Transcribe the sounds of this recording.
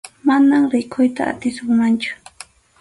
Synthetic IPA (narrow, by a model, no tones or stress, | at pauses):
manamɾɪkʰʊjt̪a̰ːt̪ɪsʊŋmant͡ʃʊ̥